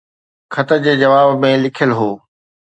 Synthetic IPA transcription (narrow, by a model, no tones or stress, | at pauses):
kʰɐt̪əɾd͡ʑeːd͡ʑɐʋaːbmẽlɪkʰəlɦoː